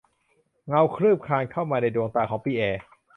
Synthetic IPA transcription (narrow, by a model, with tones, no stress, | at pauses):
ŋa˧wkʰɾɯː˥˩p̚kʰaː˧nkʰa˥˩wmaː˧na˧jdoː˧ŋt̪aː˧˩kʰɔː˩˦ŋpiː˧ʔɛː˧